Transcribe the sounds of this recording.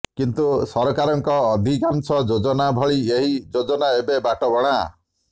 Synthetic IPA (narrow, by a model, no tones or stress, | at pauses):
kint̪usɔɾɔkaɾɔŋkɔːd̪ʱikansɔd͡ʒod͡ʒɔnabʱɔɭieɦid͡ʒod͡ʒɔnaebebaʈɔbɔɽ̃a